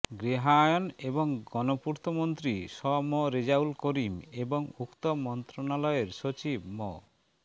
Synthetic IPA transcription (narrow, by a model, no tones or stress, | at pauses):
ɡɾiɦajoneboŋɡɔnopuɾt̪ʰomont̪ɾiʃɔmɔɾed͡ʑaulkoɾimeboŋukt̪omɔnt̪ɾonalɔeɾʃot͡ɕibmɔ̰